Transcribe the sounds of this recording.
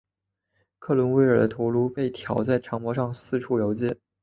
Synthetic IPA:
kʰɤ˥˩lwʊ˧˥nwe˧˥ɪə˞˨˩d̪ə˦t̪ʰu˧˥lu˧˥pe˥˩ɪt̪ʰjɑ˨˩ʊt͡sa˥˩ɪʈ͡ʂʰɑ˧˥ŋmpwɔ˧˥ʂɑ˥˧ŋsɹ̩˥˧ʈ͡ʂʰu˥˩jo˧˥ʊt͡ɕjɛ˥˩

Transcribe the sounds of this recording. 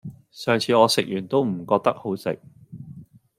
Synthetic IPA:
sœː˨ŋt͡sʰiː˨˧ŋɔː˨˧sɪ˨k̚jyː˨˩nt̪o˥wm̩˨˩kɔː˧k̚t̪ɐ˥k̚ho˨˥wsɪ̰˨k̚

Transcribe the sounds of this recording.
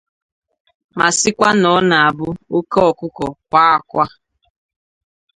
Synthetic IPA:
ma˨sɪ˦kʷa˦nɔ˦na˨a˨bʊ˦o˦ke˦ɔ˨kʷʊ˦kɔ˨kʷa˦a˨kʷa˦

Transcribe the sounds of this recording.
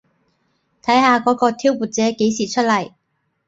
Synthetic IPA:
t̪ʰɐ˨˥jɦaː˨˧kɔː˨˥kɔː˧t̪ʰiː˥wpuː˨˩t̚t͡sɛː˨˥ke˨˥jsiː˨˩t͡ʃʰɵ˥t̚lɐ˨˩j

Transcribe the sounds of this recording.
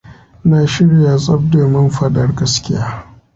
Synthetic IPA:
naː˨ʃɪ˦ɽja˨sʼɐ˦b̚deː˨mɐ˦mɸɐ˦dɐ˨rɡɐ˦skʲɪ˦jaː˦

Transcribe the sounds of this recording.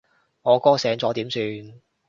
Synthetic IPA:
ŋɔː˨˧kɔː˥sɛː˨˧ŋt͡sɔː˨˥t̪iː˨˥msyː˧n

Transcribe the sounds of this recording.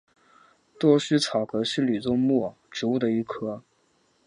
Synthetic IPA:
t̪wɔ˥ɕy˥t͡sʰɑ˨˩ʊkɤ˧˥ɕy˥˩ly˨˩t͡sʊ˥ŋmɔ˥˩ | ʈ͡ʂɻ̩˧˥u˥˩d̪ə˩i˧˥˩kʰɤ˥

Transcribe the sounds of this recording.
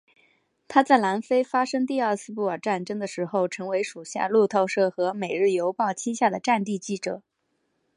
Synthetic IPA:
t̪ʰa˥t͡sa˥˩ɪla˧˥nfe˥ɪfa˥ʂɤ˥ŋt̪i˥˧ə˞˥˧t͡sʰɹ̩˥˧pu˥˩ə˞˨˩ʈ͡ʂa˥˩nʈ͡ʂɤ˥ŋd̪ə˨ʂɻ̩˧˥xo˥˧˩ʊʈ͡ʂʰɤ˧˥ŋwe˧˥ɪʂu˨˩ɕja̰˥˧lu˥˧t̪ʰo˥˧ʊʂɤ˥˩xɤ˧˥me˨˩ɪɻɻ̩˥˩jo˧˥ʊpɑ˥˩ʊt͡ɕʰi˥ɕja˥˩d̪ə˩ʈ͡ʂa˥˧nt̪i˥˧t͡ɕi˥˩ʈ͡ʂɤ˨˩˦

